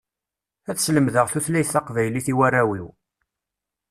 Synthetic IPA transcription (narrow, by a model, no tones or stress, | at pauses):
æt͡sːsləmðəʁθuθlæjθɑqvæjliθiwæræwiw